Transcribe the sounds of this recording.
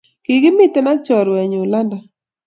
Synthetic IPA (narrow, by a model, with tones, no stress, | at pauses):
ki˨ɡɪ˦mɪ˦t̪ɛ˦na˦t͡ʃɔ˨ɾwɛ˨ɲʊ˨la˦nda˨